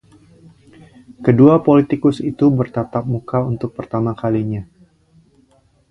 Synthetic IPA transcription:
kəduapolit̪ikʊsit̪ubərt̪at̪ap̚mukaunt̪ʊk̚pərt̪amakaliɲa

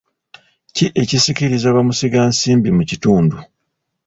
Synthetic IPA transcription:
ciʔe̞cisikiɾizaβamusiɡaːnsiːmbimucituːndu

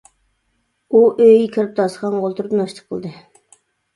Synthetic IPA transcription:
uʔøjikʲʰiɾɪp̚d̪ɑsqɑnʁolˠt̪ʰuɾɨpnɑʃt̪ə̥qʰːəlˠd̪ɨ

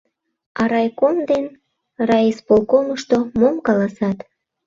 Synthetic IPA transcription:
ɑɾɑjkomd̪en | rɑispolkoməʃt̪omomkɑlɑsɑt̪

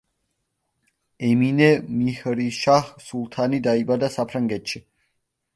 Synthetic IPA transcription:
ɛminɛmihɾiʃaχsulˠt̪ʰanid̪aibad̪asapʰɾaŋɡɛt̪ʃi

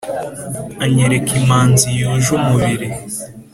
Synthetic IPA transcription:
aɲeɾekimaːnzijuʒumuβiɾi

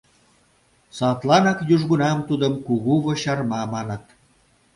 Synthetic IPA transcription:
sɑt̪lɑnɑkjuʒɣunɑmt̪ud̪əmkuɣuβoɕɑrmɑmɑnə̆t̪̚

